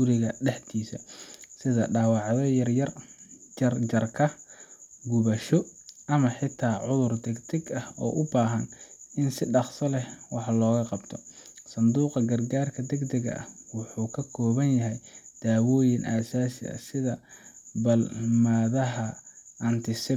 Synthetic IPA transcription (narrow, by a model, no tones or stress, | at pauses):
ɡʊɾɪɣɐɖɛħt̪ʰiːsɐ̰sɪðɐɖɑːwɑʕðɔjɐrjɐrɐrd͡ʒɐrkʰɐ | ɡʊβɐʃɔɐmɐħɪt̪ʰaːʕʊðʊrd̪ɛɡd̪ɛɡɐhɔ̰ːʔʊbaːɦɐnɪnsɪɖɑqsɐlɛwɑħlɔːɣɐqɑbt̪ʰɔsɐnd̪uːqɐɡɐrɡaːrkʰɐd̪ɛɡd̪ɛɡɐ̰ʔɐ̰hwɑħuːkʰɐkʰɔːβɐnjɐɦɛjd̪̥aːwɔːjɪnʔɐːsaːsɪɐ̰sɪðɐbɐlmɐːðɐɦɐʔɐnt̪ʰɪsɪ